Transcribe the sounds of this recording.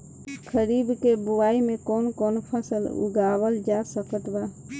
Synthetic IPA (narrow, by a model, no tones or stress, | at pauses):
kʰəɾiːbkebʊwaːimẽkɔːnkɔːnpʰəsəlṵɡawəld͡ʒasəkət̪ba